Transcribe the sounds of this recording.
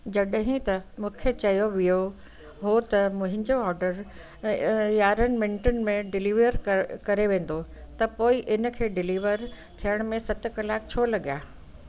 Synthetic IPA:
d͡ʑɐɗɦĩt̪ɐmũːkʰet͡ɕɐjoʋijo | ɦot̪ɐmʊ̃ɦɪ̃ɲd͡ʑoɔːɾɖəɾ | jaːɾənɪ̆mɪ̃ɳʈənɪ̆mẽɖɪliːʋəɾkɐɾeʋẽːn̆d̪ot̪ɐpoːiʔɪn̆kʰeːɖɪliːʋəɾ | t̪ʰijəɽ̃mẽsɐt̪ɪ̆kɐlaːk̚t͡ɕʰoːlɐɡijaː

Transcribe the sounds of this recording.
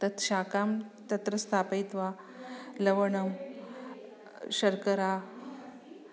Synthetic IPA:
t̪ɐt̪ʰɕakamt̪ɐt̪ɾəst̪ʰapəjt̪ʋa | lɐʋəɳəm | ɕɐɾkəɾa

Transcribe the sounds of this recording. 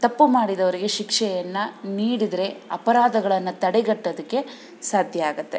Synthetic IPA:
t̪ɐpːumaːɽid̪ɐʋɐɾiɡe̞ʃikʂɛjɐnːɐniːɽid̪ɾe̞ɐpɐɾaːd̪ɐɡɐɭɐnːɐt̪ɐɽeɡɐʈːɐd̪ɐkːe̞ | saːd̪ʱjɐaːɡut̪ːe̞

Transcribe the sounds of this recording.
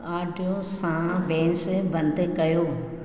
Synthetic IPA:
aːɖʱijosãbɛ̃ːnsebɐ̃nd̪ekɐjoː

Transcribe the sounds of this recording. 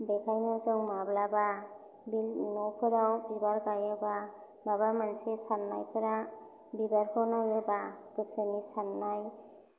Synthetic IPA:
bekʰajnɯzɯwmablaba | bilnɔpʰɯɾawbibaɾkajɯba | mabamansesanːa̰jpaɾa | bibaɾkʰɯwnajɯbakɯsenisanːaj

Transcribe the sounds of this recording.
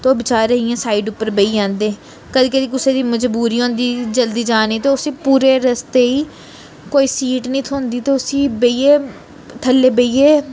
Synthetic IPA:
t̪oːbɪt͡ʃaːɾəɦiãːsaːiːɖʊpːəɾbeiːãːnd̪eː | kəd̪iːkəd̪iːkʊseːd̪iːməd͡ʒbuːɾiːɦõːnd̪iːd͡ʒəld̪iːd͡ʒaːniːt̪eːʊsĩːpuːɾeːɾəst̪eːiː | koːiːsiːʈnĩːt̪ʰoːnd̪iːt̪eːʊsiːbəiːeː | t̪ʰəlːeːbəiːeː

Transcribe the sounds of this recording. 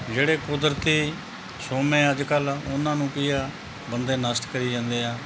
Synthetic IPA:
d͡ʒeːɽeːkʊd̪əɾt̪iː | soːmẽːəd͡ʒkəlʊnːãːnũːkɪjaː | bənd̪eːnəst̪kəɾiːd͡ʒãːnd̪eːaː

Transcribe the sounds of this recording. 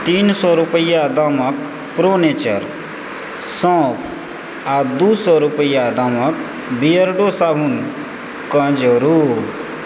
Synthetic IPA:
t̪iːnsɔɾupəjad̪amək | pɾoːnet͡ʃəɾ | sɔ̃ːpʰ | ad̪usɔɾupəjad̪amək | bijəɾɖosaːbʱun | kə̃d͡ʒəɾu

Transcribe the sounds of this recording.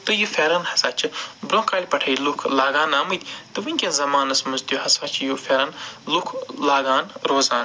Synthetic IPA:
t̪ɨjufʲeɾɐnhɐ̥saːt͡ʃʰɨbɾõːkaːlʲpɐʈʰɐjlukʰlaːɡaːnaːmɨd̪ʲt̪ɨʋɨnʲkʲenzɐmaːnɐsmɐzt̪ʲjuhɐsaːt͡ʃʰjufʲeɾɐnlukʰlaːɡaːnɾoːzaːn

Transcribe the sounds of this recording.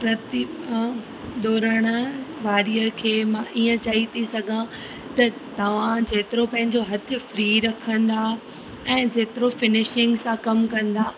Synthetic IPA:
pɾɐt̪iã | d̪ɔːɾəɽ̃əʋaːɾijəkʰeːmãʔiːə̃t͡ɕaːɦit̪ʰisɐɡʱã | t̪ɐt̪ɐʋ̤ãd͡ʑeːt̪ɪɾopɐ̃ɦɪ̃ɲd͡ʑoɦɐt̪ʰɪ̆fɾiːɾɐkʰə̃nd̪aː | ɛ̃ːd͡ʑeːt̪ɪɾofɪnɪʃɪ̃ŋɡsãkɐmkɐ̃nd̪aː

